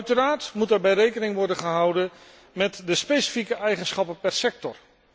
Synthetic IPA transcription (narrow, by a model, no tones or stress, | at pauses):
œɥtəraːɹtmutaːɹbɛjrejkənɪŋʋɔɹdənχəɦɑwdə | mɛtdəspejsi̥fikəʔɛjχənsχɑpəpɛɹsɛk̚tɔr